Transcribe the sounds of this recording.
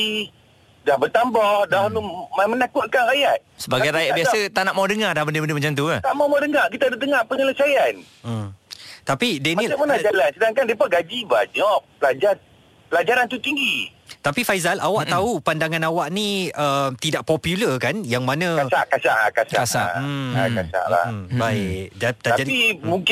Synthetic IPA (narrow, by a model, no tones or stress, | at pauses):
i | dahbət̪ambahdahlumamənakʊt̪̚kanrajat̪̚səbaɡajɾajatbiassət̪aʔnaʔmawdəŋardahbəndəbəndəmat͡ʃamt̪̬uət̪aʔmawmawdəŋaʔkit̪adət̪̬əŋahpəɲələsajan̩ | t̪apidenilamanad͡ʒalansədaŋkandiepaɡad͡ʒiba̰ɲɔʔ̚pəlad͡ʒar | pəlad͡ʒaɾant̪ut̪iŋɡi | t̪apifajzalʔawaʔt̪aupandaŋãnawaʔnĩəmt̪idaʔpɔpjuləkanjaŋmanãkasaʔkasa̰ʔla̰kasa̰kasa̰ʔa̰kasa̰ʔla̰hmbaɪk̚dat̪aad͡ʒadimuŋk